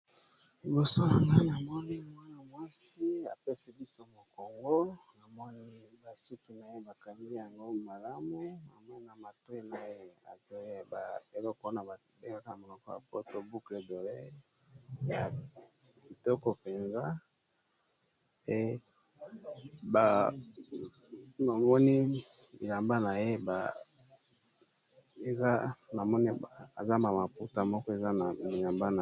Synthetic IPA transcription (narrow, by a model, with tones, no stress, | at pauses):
li˨bo˨so˦a˨ŋa˦na˨mɔ˦ni˦mwa˦na˨mwa˦si˦a̰˨pe˦sɛ˦bi˦so˦mo˨ko˨ŋɡo˦na˨mɔ˦nii˦ | ba˨su˦ki˨na˨je˦ba˨ka˨ndi˦ja˨ŋɡo˦ma˨la˦mu˦a̰˨ma˦na˨ma˨to˦e˦na˨e˦˨a̰˨to˦e˦ba˨e˨lɔ˦ko˦na˨ | be˦ɡa˦ka˦˨mo˨lɔ˨kɔ˦ja̰˨po˦to˦bu˦kle˦do˨le˦ | ja˨ | bi˨tɔ˦kɔ˦˨pe˨nza˦ | e˦ | ba˨ | na˨mɔ˦ni˦ | bi˨la˨mba˦na˨je˦ba˨ | e˨za˦na˨mɔ˦ni˦˨za˦ma˨ma˨pu˦ta˦mɔ˦kɔ˦e˨za˦na˨mi˨la˨mba˦na˨